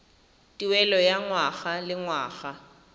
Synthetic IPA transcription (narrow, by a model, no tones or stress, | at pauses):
tʼiwɛlɔjaŋwaɣalɪŋwa̰ːɣa